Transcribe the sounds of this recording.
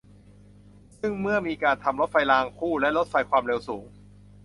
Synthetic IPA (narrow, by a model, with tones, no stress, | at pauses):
sɯ˥˩ŋmɯ˥˩ɐmiː˧kaː˧nt̪ʰa˧mlo˦˥t̪̚fa˧jlaː˧ŋkʰuː˥˩lɛ˦˥lo˦˥t̪̚fa˧jkʰwaː˧mɾe˧wsuː˩˦ŋ